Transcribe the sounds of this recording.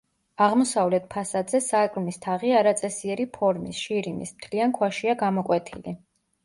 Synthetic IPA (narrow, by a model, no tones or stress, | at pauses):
aʁmɔsavlɛt̪̚ʰpʰasad̪zɛsaːkʼlmist̪ʰaʁiaɾat̪sʼɛsiɛɾipʰɔɾmḭsʃiɾimḭsmt̪ʰliankʰwaʃiaɡamɔkʼwɛt̪ʰḭli